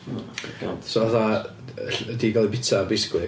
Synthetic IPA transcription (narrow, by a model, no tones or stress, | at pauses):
a̰sovaθa | ɬdiɡalˠibɪtʰabɪsklɨ